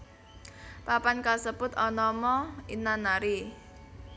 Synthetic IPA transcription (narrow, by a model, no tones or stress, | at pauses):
papankasəpʊt̪ɔnɔmɔinanaɾi